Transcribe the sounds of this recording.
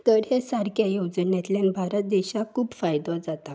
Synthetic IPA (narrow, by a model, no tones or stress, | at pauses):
t̪əɽɦesaɾkʰjajod͡znjat̪ljãnbʱaɾət̪̚d̪eɕakʰuːpfajd̪ɔ̃d͡zat̪a